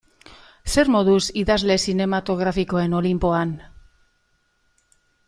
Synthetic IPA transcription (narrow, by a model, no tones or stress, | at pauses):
se̞ɾmo̞ðusiðazle̞sine̞mat̪o̞ɣ̞ɾafiko̞e̞no̞limpo̞an